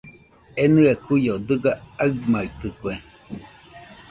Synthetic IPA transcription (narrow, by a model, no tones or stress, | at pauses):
enɨekujod̪ɨɡaaɯmait̪ɯkwe